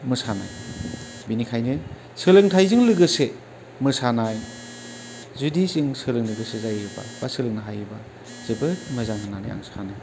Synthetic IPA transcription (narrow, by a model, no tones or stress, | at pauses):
mɯsana̰j | binikʰajnɯ | sɯlɯŋtʰajzɯŋlɯɡɯse | mɯsanaj | zudisɯŋsɯlɯŋlɯɡɯsezajɯba̰basɯlɯŋnaɦajɯba | z̥ɯbɯt̚mɯzaŋhɯŋnanɯ̰ja̰ŋsanɯ